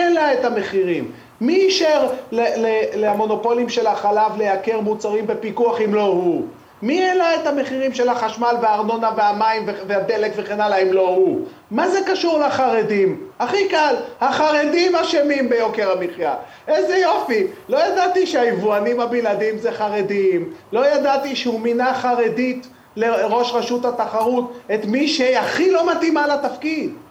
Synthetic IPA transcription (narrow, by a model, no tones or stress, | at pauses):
elaet̪ame̞χiʁimː | iːʃeʁleleleamo̞no̞po̞limʃe̞laχalavle̞jake̞ʁmut͡saʁimbe̞pikuaχimlo̞hu | mielaet̪ame̞χiʁimʃe̞laχaʃmalveaʁnonaveamaimveveade̞lekve̞χenalaimlo̞huː | azekaʃuʁlaχaʁed̪imaχikalhaχaʁedimhaʃemimbe̞jo̞ke̞ʁamiχja | ʔezejo̞filo̞jad̪at̪iʃeaivuanimhabiladimzeχaʁe̞d̪imlo̞jadat̪iʃeuminaχaʁe̞d̪it̪ | le̞ʁo̞ʃʁeʃuthat̪aχaʁutet̪miʃeaχilo̞mat̪imalat̪afkid